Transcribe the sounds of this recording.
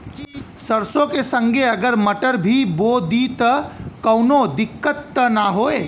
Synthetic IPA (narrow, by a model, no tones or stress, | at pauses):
səɾsõkesə̃ŋɡʱeəɡəɾməʈəɾbʱibod̪it̪əkəʊnod̪ɪkːət̪ːənaɦoe